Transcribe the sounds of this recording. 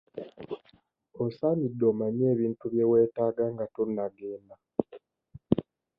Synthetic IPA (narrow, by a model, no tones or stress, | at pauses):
osanidːoːmaɲe̞ːβiːntuβjewe̞ːtaːɡaŋɡatonːaɡeːna